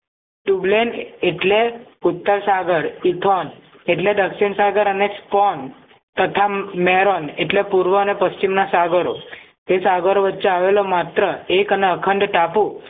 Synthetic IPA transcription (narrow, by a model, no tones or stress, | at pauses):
ʈubleneʈleut̪ːəɾsaɡəɾit̪ʰon | eʈled̪əkʃiɳsaɡəɾənekspɔn | t̪ət̪ʰamɛɾoneʈlepuɾʋəənepəst͡ɕimnasaɡəɾo | t̪esaɡəɾoʋətːɕeaʋelomat̪ɾəekəneəkʰəɳɖʈapu